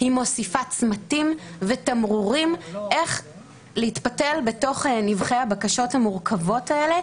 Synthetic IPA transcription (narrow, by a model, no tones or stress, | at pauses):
himo̞sifat͡smatimvetamʁuʁimʔe̞χ | leitpate̞lbe̞to̞χnivχehabakaʃo̞thamuʁkavo̞tae̞le̞